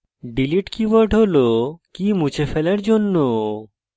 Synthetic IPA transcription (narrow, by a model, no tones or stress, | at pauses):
ɖiliʈkiʋaɾɖɦolokimut͡ɕefelaɾd͡ʑonːo